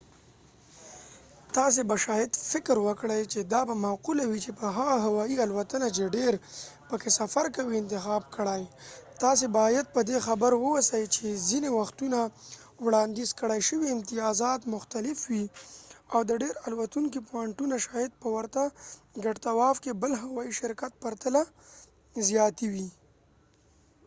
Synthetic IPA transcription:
t̪ɑs̬ebaʃɑjɪd̪fɪkɾwəkɽəjt͡ʃed̪ɑbamaqulawit͡ʃepəɦaɣaɦawɑialwat̪ənat͡ʃeɖeɾpəkesafaɾkawiɪnt̪ɪxɑbkəɽajt̪ɑs̬ebɑjad̪̚pəd̪exabəɾwəwasajt͡ʃezinewaxt̪una | wɽɑnd̪izkəɽajʃəwiɪmt̪ɪjɑzɑt̪mʊxt̪alɪfwi | awd̪əɖeɾalwat̪uŋk̬ipoaɳʈunaʃɑjɪd̪̚pəwəɾt̪aɡaɖt̪awɑfkebəlɦawɑiʃɪɾkat̪̚paɾt̪ala | zjɑt̪iwi

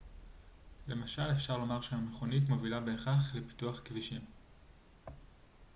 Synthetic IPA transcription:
le̞maʃale̞fʃaʁlo̞maʁʃeameχonitmo̞vilabeːχaχlepi̥tuaχkviʃim

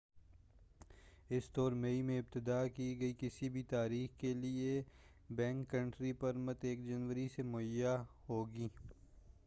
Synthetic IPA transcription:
ɪsd̪ɔːɾmeimẽɪb̚t̪ɪd̪aːkiɡɐikɪsibʱit̪aːɾiːxkelie | bɛ̃ːŋkːɐ̃ɳʈɾipɐɾmɐt̪eːkd͡ʒɐnwəɾisemʊəjaɦoːɡiː

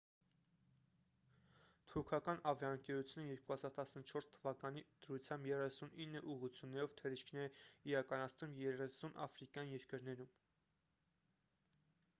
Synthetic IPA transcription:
t̪ʰuɾkʰɑkɑnɑvjɑəŋkɛɾut͡sʰjunəjɛɾkuhɑzɑɾt̪ɑsnət͡ʃʰɔɾst̪ʰəvɑkɑnid̪̥əɾut͡sʰjɑmbjɛrɛsuninːəʔuʁut͡sʰjunːɛɾɔvt̪ʰɛɾiʃkʰnɛɾɛiɾɑkɑnɑt͡sʰnumjɛrɛsunʔɑ̰fɾikjɑnjɛɾkəɾnɛɾum

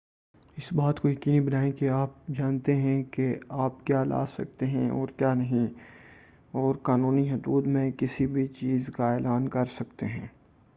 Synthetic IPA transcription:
ɪsbaːt̪kojɐkiːnibɐnaːẽkeaːp̚d͡ʒaːnt̪eɦɛ̃keaːpkjaːla̰ːsɐ̰k̚t̪eɦɛ̃ʔɔ̰ːɾkjaːnɐɦĩ | ɔːɾkaːnuːniɦʊd̪uːd̪mẽkɪsibʱit͡ʃiːzkaeːlaːnkɐɾsɐkt̪eɦɛ̰̃ː

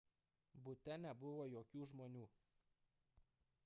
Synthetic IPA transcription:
bʊt̪ʲɛnʲɛbʊʋoːjoːkʲuːʒmoːnʲuː

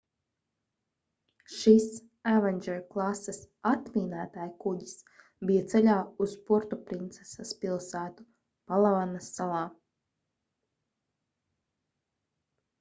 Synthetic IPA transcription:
ʃis | ævɛnʲd͡ʒɛɾklˠasːɛs | at̪miːnæːt̪aːjkuɟis | bijat̪sɛlʲaːuspuɾt̪upɾint̪sɛ̥saspilˠsæːt̪u̥ | palˠavanasːalˠɑː

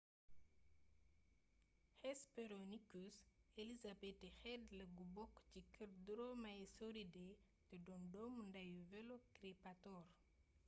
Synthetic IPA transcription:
hɛspeɾonikuselizabetexɛdlɐɡubɔkːcikəɾduɾomajesoɾide | tɛdɔndɔmundajuvɛlokɾepatɔɾ

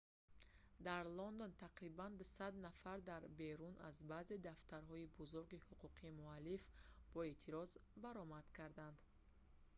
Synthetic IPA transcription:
d̪aɾlɔnd̪ont̪ʰaqɾiband̪usad̪nafaɾd̪aɾbe̞ɾunazbaze̞d̪aft̪aɾɦɔibuzuɾɡihuqʰuqʰiːmualːifb̥ɔe̞t̪ʰiɾɔzbaɾɔmad̪̥kʰaɾd̪and̪

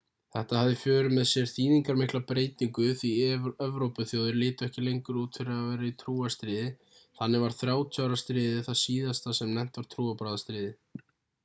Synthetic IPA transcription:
θɛht̪ahavðɪfjœːɾʏmɛðsjɛɾ̥θiːðiŋkaɾmɪhklapɾeːjt̪iŋkʏθviœvɾowpʏθjoːwðʏɾlɪːt̪ʏɛhcɪlejŋkʏɾuːt̪fɪɾɪavɛːɾait̪ʰɾuːast̪ɾɪːðɪ | θanːɪvaɾ̥θɾjaːwt̪ʰjawɾast̪ɾɪːðɪθaðsiːðast̪θasɛmnɛm̥t̪vaɾ̥t̪ʰɾuːapɾaːðast̪ɾɪːðɪ

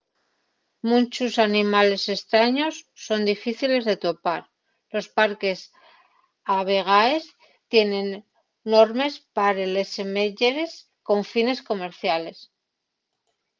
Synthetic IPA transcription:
munt͡ʃusanĩmale̞se̞st̪ɾaɲo̞sːo̞nd̪ifiθile̞zðe̞t̪o̞paɾ | lo̞spaɾke̞s | aβ̞e̞ɣ̞ae̞s | t̪je̞nẽ̞nː | o̞ɾme̞spaɾele̞semeʝeɾe̞s | ko̞ɱfine̞sko̞me̞ɾθjale̞s

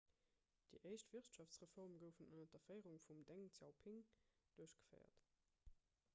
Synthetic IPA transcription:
d̥ḭʔəɪʃtv̥iʁtʃɑft͡sʁəfɔʁmɡəʊfənənɐdɐfɜɪʁuŋfumdeŋt͡sjɑ̰ʊpʰiŋd̥uɐəɕɡ̥ə̥fɜ̰ɪɐ̰t

